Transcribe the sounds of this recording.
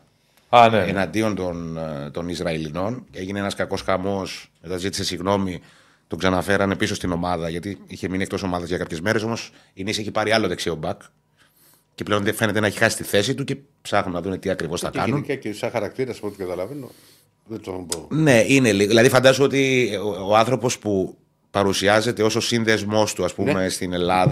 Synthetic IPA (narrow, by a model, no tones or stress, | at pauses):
ɐneenɐnd̪io̞nt̪o̞nt̪o̞nizɾɐilino̞ne̞ʝine̞enɐskɐko̞sxɐmo̞sme̞t̪ɐzit̪i̥se̞siɣno̞mi | t̪oksɐnɐfe̞ɾɐne̞piso̞st̪ino̞mɐðɐʝɐt̪iiçe̞miniekt̪o̞so̞mɐðɐzʝɐkɐpçe̞zme̞ɾe̞so̞mo̞s | inise̞çipɐɾiɐlo̞ðeksio̞bɐk | ceple̞o̞nðefe̞ne̞t̪e̞nɐeçi̥xɐsi̥st̪iθe̞sit̪uce̞ | psɐɣnonɐðune̞t̪iɐkɾivo̞sθɐkɐnunkɐcesɐxɐɾɐk̚t̪iɾɐsɐ̥pot̪ɡɐt̪ɐlɐveno̰ | ðet̪ombone̞ine̞liɣoðilɐðifɐnd̪ɐsuo̞t̪ioɐnθɾo̞po̞spu | pɐɾusiɐze̞t̪e̞o̞so̞sinðe̞zmo̞st̪uɐspume̞st̪ine̞lɐð